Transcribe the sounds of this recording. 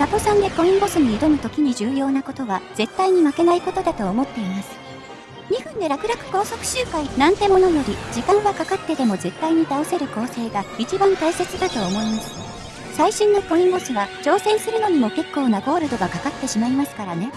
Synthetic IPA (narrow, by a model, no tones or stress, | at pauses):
nat̪o̞sãnd̪e̞kõ̞ĩŋbo̞sɨɲ̟iːd̪o̞not̪o̞kʲiɲ̟iʑɨːjo̞ːnako̞t̪o̞βaz̥e̞t̪ːaiɲ̟imake̞naiko̞t̪o̞d̪at̪o̞ːmo̞t̪ːe̞imasɨ̥ | ɲ̟iɸɯ̟̃nd̪e̞ɾakɯ̟ɾakɯ̟̥ko̞ːso̞kɯ̟̥ɕɨːkainãnt̪e̞mo̞no̞jo̞ɾʲid͡ʑikãɰ̃βakakat̪ːe̞d̪e̞mo̞ze̞t̪ːaiɲ̟it̪ao̞se̞ɾɯ̟ko̞ːse̞ːɡait͡ɕibãnt̪aise̞t͡sɨd̪at̪o̞ːmo̞imasɨ̥ | saiɕĩnːo̞ko̞ĩmbo̞sɨβat͡ɕo̞ːsẽ̞ɰ̃sɨɾɯ̟no̞ɲ̟imo̞ke̞kːo̞ːnaɡo̞ːɾɯ̟d̪o̞ɡakakat̪ːe̞ɕimaimasɨ̥kaɾane̞